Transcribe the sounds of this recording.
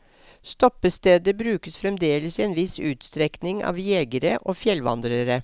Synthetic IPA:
st̪ɔpəst̪eːd̪əbɾʉːkəsfɾɛmd̪eːləsiɛːnʋɪsʉːt̪st̪ɾɛknɪŋɑ̰ːʋjeːɡəɾəʔoːfjɛlʋɑ̰nd̪ɾəɾə

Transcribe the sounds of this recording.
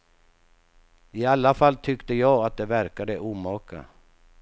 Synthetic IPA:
ɪalːafalːt̪ʰʏkt̪əjɑːɡat̪̚d̪ɛvæɾkad̪əʔuːmɑːkʰa̰

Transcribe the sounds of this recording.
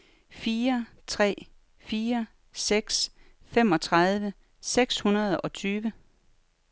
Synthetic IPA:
fiːɐ | t͡sʰʁɛ̰ː | fiːɐ | seɡ̥s | fem̰ɒ̽t͡sʰʁað̞ˠʋə | seɡ̥shunɐð̞ˠɒ̽t͡sʰyːʋə

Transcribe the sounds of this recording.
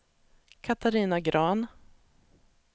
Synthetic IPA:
kʰat̪aɾiːnaɡɾɑːn

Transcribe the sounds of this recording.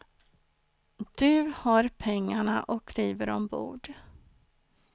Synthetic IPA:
d̪̥ɵhaɾpʰɛŋːaɳaʔɔkliːvəɾɔmbṵːɖ

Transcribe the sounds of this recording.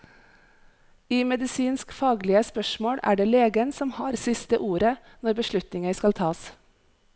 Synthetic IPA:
iːmɛd̪ɪsiːnskfɑːɡlɪəspœʃmoːɽʔæ̰ːɖeːleːɡənsɔmhɑːɾsɪst̪əʔuːɾə | nɔɾbəʃɭʉt̪nɪŋəskɑlt̪ʰɑːs

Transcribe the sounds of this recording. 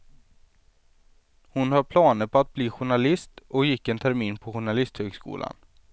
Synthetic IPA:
hʊnhaɾpʰlɑːnəɾpɔat̪̚bliːɧʊɳalɪst̪ʔɔkjɪkːɛnt̪ʰæɾmiːnpʰɔɧʊɳalɪst̪høːɡskṵːla̰n

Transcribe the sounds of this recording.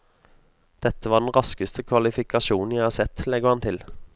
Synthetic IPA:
d̪̥ɛt̪ːəʋɑːd̪ɛnʁɑskəst̪ʰəkʰʋɑlɪfɪkɑʃuːnn̩jæɪhɑːsɛt̪lɛɡəʁhɑnt̪ʰɪl

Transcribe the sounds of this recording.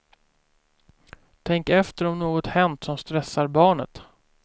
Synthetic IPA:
t̪ʰɛŋkɛft̪əɾɔmnoːɡɔt̪hɛnt̪sɔmst̪ɾɛsːaɾbɑːɳə̰t̪

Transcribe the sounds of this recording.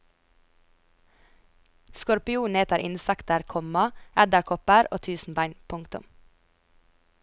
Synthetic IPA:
skɔɾpɪuːnɛt̪əɾʔɪ̰nsɛkt̪əɾkʰɔmɑɛd̪əɾkʰɔpəɾo̰ːt̪ʰʉːsn̩bæɪnpʰʊŋkt̪ʊ̰m

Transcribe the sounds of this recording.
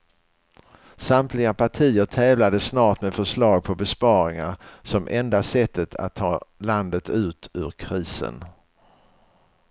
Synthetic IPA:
samt̪lɪɡapʰaʈʰiːəʈʰɛːvlad̪əsnɑːʈmeːfœʂlɑːɡ̚pʰɔbɛspɑːɾɪŋaɾsɔmʔɛnd̪asɛt̪ʰːət̪ʰa̰t̪ʰːɑːland̪ət̪ʉ̟ːt̪ʰʉ̟̰ːɾkʰɾiːsə̰n

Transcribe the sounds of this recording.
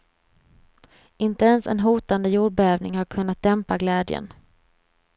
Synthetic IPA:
ɪnt̪əɛnsɛ̰nɦuːt̪and̪əjuːɖ̚bɛœːvnɪŋhaɾkʰɵnːat̪̚d̪ɛmpaɡlɛːd̪jə̰n

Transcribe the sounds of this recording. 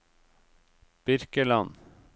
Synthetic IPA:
b̥ʏɾkəlɑn

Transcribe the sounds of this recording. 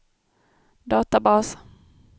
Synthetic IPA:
d̪ɑːt̪abɑːs

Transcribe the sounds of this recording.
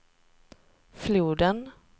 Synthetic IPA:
fluːd̪ən

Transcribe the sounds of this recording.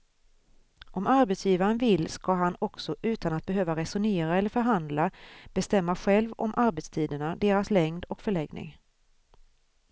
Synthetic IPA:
ʔɔmaɾbɛt̪sjiːvaɾənvɪlːskaɦanɔksɔʔʉ̟ːt̪anat̪̚bɛɦøːvaɾɛsʊneːɾaɛlːəɾfœɾɦand̪lab̥ɛst̪ɛmːaɧɛlvɔ̰mʔaɾbɛt̪st̪ʰiːd̪əɳad̪eːɾaslɛŋd̪ɔkfœɭɛɡnɪ̰ŋ

